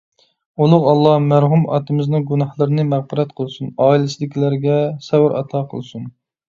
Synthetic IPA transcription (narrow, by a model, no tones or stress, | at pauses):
ulˠʊʁɑlˠːɑhmæɾɦumɑ̰t̪ɨmɪznɨŋɡunɑhlˠəɾɨnɨmæʁbɨɾɛt̪qʰəlˠɨsunɑːilɪsɪd̪ɪkʲilæɾɡʲɛsɛwɪɾʔɑ̰t̪ʰɑqʰə̰lˠsun